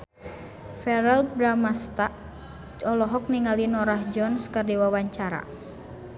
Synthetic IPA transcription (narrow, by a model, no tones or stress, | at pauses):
fɛɾɛlbɾamast̪aʔ | ɔlɔɦɔk̚niŋalinɔɾahd͡ʒɔnskɨrdiwawaɲt͡ʃaɾa̰